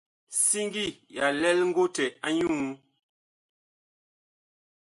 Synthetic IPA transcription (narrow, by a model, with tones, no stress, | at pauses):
si˦ŋɡi˦˨ja˨lɛ˦lŋ̩˦ɡo˦tɛ˨a˦ɲu˦˨˦